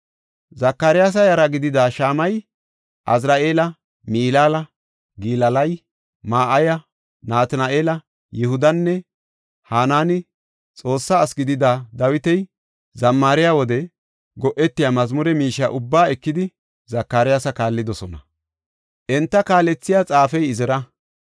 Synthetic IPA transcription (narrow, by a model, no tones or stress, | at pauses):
zɐkːaɾɪjaːs̬ɐjɐɾɐɡɪd̪ɪd̪aːʃaːmɐj | ʔɐ̰zɾaːʔe̞ːlɐ | miːlaːlɐ | ɡiːlɐlɐj | maːʔɐjɐ | naːt̪ɐnaʔeːlɐ | jɛhʊd̪ɐnːɛ | haːnaːnɪ | t͡sʼo̞ːsːaːsɡɪd̪ɪd̪ad̪ɐwɪt̪ɛj | zɐmːaːɾɪjaːwɔd̪ɛ | ɡɔʔɛt̪ːɪjaːmɐzmʊɾɛmiːʃːa̰ːʔʊbːaːɛkːɪd̪ɪ | zɐkːaːɾɪjasɐkaːlːɪd̪ɔsɔnɐ̰ | ʔɛnt̪ːɐkaːlɛt͡sːɪjaːt͡sʼaːfɛjɪzɪɾɐ